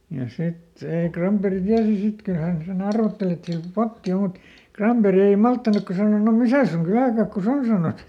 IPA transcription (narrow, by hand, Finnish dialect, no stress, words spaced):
jɑ sit ei krɑmperi tiæsi sit kyl hæn sen ɑrʋotːeli et siæl potːi o mut krɑmperi ei mɑltːɑnukːɑ sɑno no misæˑ suŋ kylæˑkɑkːus on sɑnos